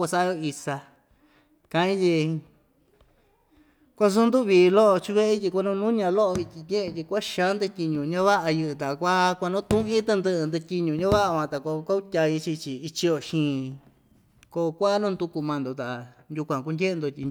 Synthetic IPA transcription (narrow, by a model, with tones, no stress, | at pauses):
ka˧sa˦jo˧i˧sa˧ | kã˧ĩ˦t̬ʲi˧ | kʷa˦s̬u˦nd̪u˦˨βiː˨˧lo˦ʔo˧t͡ʃi˧βe˦˧tʲi˧kʷa˦˧nũ˧nũ˦ɲã˧lo˦ʔo˧βi˧t̪ʲĩ˧ɲʲẽ˦ʔẽ˧t̪ʲi˧kʷa˦ʃã˦nd̪ɨ˧tʲi˧ɲũ˧˨ɲã˦βa˦ʔa˧jɨ˧ʔɨ˧t̪a˨˧kʷa˦kʷa˧nõ˦t̪ũ˦ʔĩ˦t̪ɨ˧nd̪ɨ˧ʔɨ˧nd̪ɨ˧tʲi˧ɲũ˧ɲã˦βa˦ʔa˧kã˧t̪a˨ko˧kʷa˦u˦tʲa˧ji˧˦t͡ʃi˧t͡ʃi˧i˧t͡ʃi˧jo˧˨ʃĩː˧˦ | ko˧kʷa˦nũː˦nd̪u˧ku˧mã˧nd̪o˨t̪a˨ʔnjʲu˧kʷã˨k̬u˧ndʲe˦ʔe˧nd̪o˧t̪ʲi˧